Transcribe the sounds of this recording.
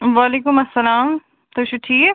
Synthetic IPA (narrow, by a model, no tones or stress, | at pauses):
ʋaːleːkʊmɐsːɐlaːm | t̪oʃuʈʰiː